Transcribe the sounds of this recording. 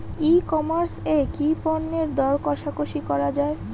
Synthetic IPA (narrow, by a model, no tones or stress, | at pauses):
ikɔmaɾsekipɔnːeɾd̪ɔɾkɔʃakoʃikɔɾad͡ʑae